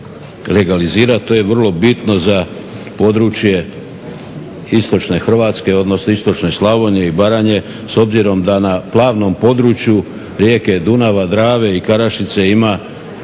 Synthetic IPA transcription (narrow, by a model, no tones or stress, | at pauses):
le̞ɡaliziːɾat̪̚t̪oje̞ʋr̩lˠo̞bit̪no̞za | po̞d̪ɾut͡ʃje̞ | ist̪o̞t͡ʃne̞xr̩ʋaːt̪ske̞o̞d̪no̞snoist̪o̞t͡ʃne̞slˠaʋo̞ɲe̞ibaɾaɲe̞ | so̞bziɾo̞md̪anaplˠaːʋno̞mpo̞d̪ɾut͡ʃju | ɾjeːke̞d̪unaʋad̪ɾaːʋe̞ikaɾaʃit̪se̞ima